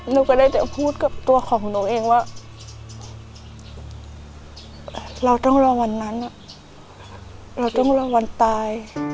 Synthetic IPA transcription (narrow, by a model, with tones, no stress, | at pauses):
la˧wka˧˩da˥˩jt͡ɕa˧˩pʰuː˥˩t̪̚ka˧˦˩p̚t̪u˧ɐkʰɔː˨˩˦ŋ˨˧˦noː˧˦ŋʔeː˧˩ŋwaː˧˩ | ʔɾa˧wt̪ɔ˥˨ŋlɔː˧wa˧nːa˦˧˥nːa˧˩ | ɾa˧wt̪ɔ˥˩ŋlɔː˧wa˧nt̪aː˧j